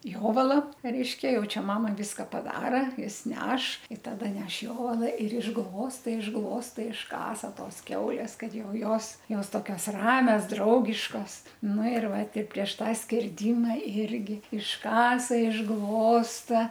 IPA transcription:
ˈjoːʋɐlˠɐ rʲɛɪʃʲkʲɛ ˈjɛʊ ˈt͡ʃʲɛ ˈmɑːmɐ ˈʋʲɪskɐ pɐˈdɑːrɐ ˈjɪs ˈnʲɛʃ ɪ ˈtɑːdɐ ˈnʲɛʃ ˈjoːʋɐlˠɐ ɪr ɪʒˈɡlˠoːstɐ ɪʒˈɡlˠoːstɐ ɪʃˈkɑːsɐ ˈtoːs ˈkʲɛʊlʲeːs ˈkɐt ˈjɛʊ ˈjoːs ˈjoːs ˈtoːkʲoːs ˈrɑːmʲɛs ˈdrɐʊɡʲɪʃkoːs ˈnʊ ɪr ˈʋɐ ˈtʲɪ pʲrʲiɛʃ ˈtɑː sʲkʲɛrʲˈdʲɪmɐ ˈɪrʲɡʲɪ ɪʃˈkɑːsɐ ɪʒˈɡlˠoːstɐ

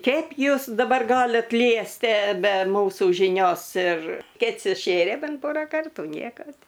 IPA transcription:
ˈkʲɛɪp ˈjuːs dɐˈbɐr ˈɡɑːlʲɪt ˈlʲiɛsʲtʲiɛ bʲɛ ˈmuːsuː ʒʲɪˈnʲoːs ɪr ˈkʲɛt sʊˈʃʲeːrʲeː ˈbʲɛnt ˈpoːrɑː ˈkɐrtuː ˈnʲiɛkoː tʲɪ

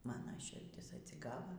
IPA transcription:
ˈmɑːnɐ ʃʲɪrʲˈdʲɪs ɐtʲsʲɪˈɡɑːʋɐ

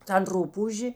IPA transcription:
tɐn ˈrʊpuːʒʲeː

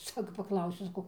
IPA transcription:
ˈsɑːkoː pɐˈklˠɐʊsʲʊ sɐˈkɐʊ

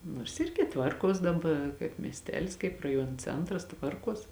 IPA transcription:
noːrs ˈɪrʲɡʲɪ ˈtʋɐrˌkuɔs dɐˈbɐ kɐɪp mʲiɛsʲˈtʲæːlʲɪs kɐɪp rɐˈjuɔn ˈt͡sʲɛntrɐs ˈtʋɐrˌkuɔs

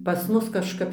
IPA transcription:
pɐs ˈmʊs kɐʃˈkɐp

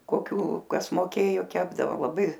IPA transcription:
koːˈkʲuː ˈkɐs moːˈkʲeːjoː ˈkʲæːbdɐʋoː lˠɐˈbɐɪ

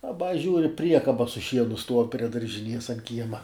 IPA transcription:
ɐˈbɐ ˈʒʲuːrʲɪ ˈpʲrʲiɛkɐbɐ sʊ ˈʃʲiɛnʊ stuɔw pʲrʲiɛ dɐrʲʒʲɪˈnʲiɛs ɐn ˈkʲiɛmɐ

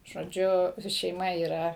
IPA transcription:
ʒoːˈd͡ʒʲʊ ʃʲɛɪˈmɐ iːˈrɐ

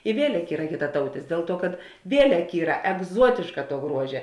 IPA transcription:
ɪ ˈʋʲiɛlʲɛk ˈiːrɐ kʲɪtɐˈtɐʊtʲɪs ˈdʲeːlˠ ˌtuɔ kɐt ˈʋʲiɛlʲɛk ˈiːrɐ ɛɡˈzuɔtʲeːʃkɐ tuɔ ˈɡruɔʒʲɛ

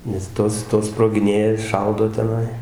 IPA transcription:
nʲɛs ˈtoːs ˈtoːs sproːɡʲɪˈnʲeːjɛ ˈʃɐʊdoː tʲɛˈnɐɪ

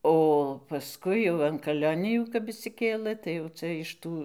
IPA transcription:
oː pɐˈskʊɪ jɛʊ ɐn kɐˈlʲoːnʲɪjuː kɐp ɪʃʲsʲɪˈkʲeːlˠə tɐɪ jɛʊ ˈt͡sɐ ɪʃ ˈtuː

